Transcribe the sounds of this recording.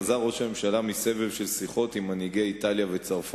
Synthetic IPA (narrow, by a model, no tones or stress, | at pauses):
zaʁo̞ʃame̞mʃalamise̞vevʃe̞lsiχo̞t̪imːaniɡeaitaljave̞t͡saʁf